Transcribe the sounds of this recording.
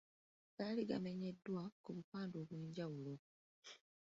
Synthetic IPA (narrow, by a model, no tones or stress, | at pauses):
kaːliɡame̞ɲe̞dːwakuβupaːndoːβweːɲɟawulo̞